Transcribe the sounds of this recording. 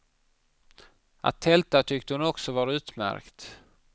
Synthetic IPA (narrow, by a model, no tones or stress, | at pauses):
ʔa̰t̪ʰːɛlt̪at̪ʰʏkt̪əhʊnɔksɔvɑːɾaʉ̟ːt̪mæ̰ɾkt̪